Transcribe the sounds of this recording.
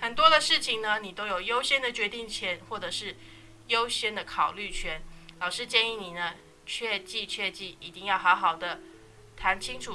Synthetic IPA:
xə˨˩nt̪wɔ˥d̪ə˨ʂɻ̩˥˩t͡ɕʰi˩ŋnə˧ni˨˩t̪o˥ʊjo˨˩ʊjo˥ʊɕjɛ˥nd̪ə˨t͡ɕɥɛ˧˥t̪i˥˩ŋt͡ɕʰjɛ˧˥nxwɔ˥˩ʈ͡ʂɤ˨˩ʂɻ̩˥˩ | jo˥ʊɕjɛ˥nd̪ə˨kʰɑ˨˩ʊly˥˩t͡ɕʰɥɛ˧˥nlɑ˨˩ʊʂɻ̩˥˧t͡ɕjɛ˥˧ni˥˩ni˨˩nə˦ | t͡ɕʰɥɛ˥˧t͡ɕi˥˧t͡ɕʰɥɛ˥˧t͡ɕi˥˩i˨˩t̪i˥˧ŋjɑ˥˩ʊxɑ˧˥ʊxɑ˨˩ʊd̪ə˦ | t̪ʰa˧˥nt͡ɕʰi˥ŋʈ͡ʂʰu˨˩

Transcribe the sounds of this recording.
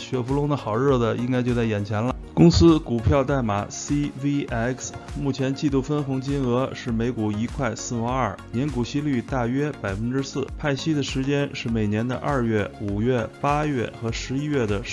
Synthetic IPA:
ɕɥɛ˨˧˩fu˧˥lʊ˧˥ŋd̪ə˧xɑ˨˩ʊɻɤ˥˩d̪ə˨i˥ŋka˥ɪt͡ɕjo˥˧ʊt͡sa˥˩ɪjɛ˨˩nt͡ɕʰjɛ˧˥nlə˧kʊ˥ŋsɹ̩˥ku˨˩pʰjɑ˥˧ʊt̪a˥˩ɪma˨˩si˥ʋi˥ɛ˥ksmu˥˩t͡ɕʰjɛ˧˥nt͡ɕi˥˧t̪u˥˩fə˥nxʊ˧˥ŋt͡ɕi˥nɤ˧˥ʂɻ̩˥˩me˧˥ɪku˨˩i˧˥kʰwa˥˧ɪsɹ̩˥˧wɑ˧˥ɐ˞˥˩njɛ˧˥nku˨˩ɕi˥ly˥˧t̪a˥˩ɥɛ˥pa˨˩ɪfə˥nʈ͡ʂɻ̩˥sɹ̩˥˩pʰa˥˩ɪɕi˥d̪ə˨ʂɻ̩˧˥t͡ɕjɛ˥nʂɻ̩˥˩me˨˩ɪnjɛ˧˥nd̪ə̰˧ʔa˥˧ɥɛ˥˩u˨˩ɥɛ˥˩pa˥jɥɛ˥˩xɤ˧˥ʂɻ̩˧˥i˥ɥɛ˥˩d̪ə˩

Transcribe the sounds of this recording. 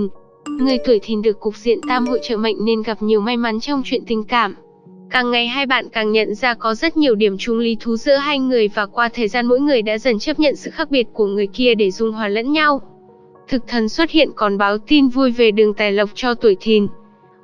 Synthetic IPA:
ŋɨ˨˩əjt̪u˧˩jt̪ʰi˨˩nɗɨ˨˩əkːʊ˨˩k̚zḭ˧˨ənt̪aː˧mho̰˧˨t͡ɕə̰ː˧˨mə̰˧˨jŋ̟ne˧nɣa˨˩p̚ɲi˨˩əwma˧jma˨˦nt͡ɕɔ˧wŋ͡mt͡ɕwḭ˧˨ənt̪ï˨˩ŋ̟kaː˧˩m | kaː˨˩ŋːa˨˩jɦaː˧jɓa̰ː˧˨nkaː˨˩ŋɲə̰˧˨nzaː˧kɔ˨˦zə˦˥t̚ɲi˨˩əwɗi˧˩əmt͡ɕʊ˨˧ŋ͡mli˨˦t̪ʰu˨˦zɨ̰˧˥əɦaː˧jŋɨ˨˩əjvaː˨˩kwaː˧t̪ʰəː˨˩jzaː˧nmo̰˧˥jŋɨ˨˩əjɗa̰ː˧˥zə˨˩nt͡ɕə˦˥p̚ɲə̰˧˨nsɨ̰˧˨xaː˦˥k̚ɓi˨˩ət̚ku˧˩əŋɨ˨˩əjki˧əɗe˧˩zʊ˨˩ŋ͡mɦwaː˨˩lə̰˧˥nɲa˧w | t̪ʰɨ˨˩k̚t̪ʰə˨˩nswə˦˥t̚hḭ˧˨ənkɔ˨˩nɓaː˨˦wt̪i˧nvu˧jve˨˩ɗɨ˨˩əŋt̪aː˨˩jlə˨˩wk͡p̚t͡ɕɔ˧t̪u˧˩əjt̪ʰi˨˩n

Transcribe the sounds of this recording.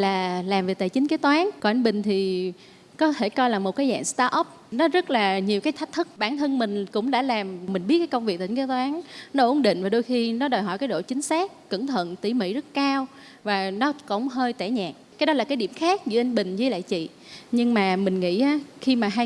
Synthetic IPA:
laː˨˩laː˨˩mve˨˩t̪aː˧˨˩t͡ɕï˨˦ŋ̟keː˨˦jt̪waː˨˦nkɔ˨˧˩ʔa˧ŋ̟ɓï˨˩ŋ̟t̪ʰi˨˩ | kɔ˨˦t̪ʰe˧˩kɔ˧jlaː˨˩mo˨˩t̚kaː˨˦jza̰ː˧˨ŋst̪aː˧ʔɔ˦˥p̚nɔ˨˦zə˦˥t̚laː˨˩ɲi˨˩əwkaː˨˦jt̪ʰjk̚t̪ʰɨ˦˥k̚ɓaː˧˩nt̪ʰə˧nmï˨˩ŋ̟kʊ̰˧˥ŋ͡mɗa̰ː˧˥laː˨˩mmï˨˩ŋ̟ɓi˦˥t̚kːaː˨˦kə˧wŋ͡mvi˨˩k̚t̪ï˨˦ŋ̟ke˨˦jt̪waː˨˦nnɔ˨˦ʔʊ˧˥˦nɗḭ̈˧˨ŋ̟vaː˨˩ɗo˧jxi˧nɔ˨˦ɗəː˨˩jɦɔ̰˧˨jkaː˨˦jɗo̰˧˨t͡ɕï˨˦ŋ̟saː˦˥k̚ːɨ˧˩ŋt̪ʰwə̰˧˨nt̪i˧˩mḭ˧˥zə˦˥t̚kaː˧w | vaː˨˩nɔ˨˦kʊ̰˧˥wŋ͡mɦəː˧jt̪ɛ˧˩ɲaː˨˩k̚kaː˨˦jɗɔ˨˦laː˨˩kaː˨˦jɗi˧˩əmxaː˦˥k̚zɨ̰˧˦ʔa˧ŋ̟ɓï˨˩ŋ̟zɨ˧˨˦la̰ː˧˨jt͡ɕḭ˧˨ | ɲɨ˧ŋmaː˨˩mï˨˩ŋ̟ŋḭ˧˥ʔaː˨˦xi˧maː˨˩ɦa˧j

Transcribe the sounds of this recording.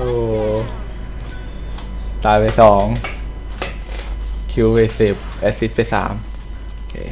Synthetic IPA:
ʔoː˧˩ | t̪aː˨˩jpa˧˩jsɔː˩˦ŋ | kʰi˧˥e˧˩si˨˩p̚ʔe˦˥ssi˦˥t̪̚pa˨˩sa̰ː˩˦m | o˧kʰḛː˧˩

